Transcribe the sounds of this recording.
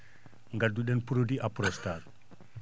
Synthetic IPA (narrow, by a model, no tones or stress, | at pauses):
ŋɡaduɗenpuɾodiʔapɾostaɾ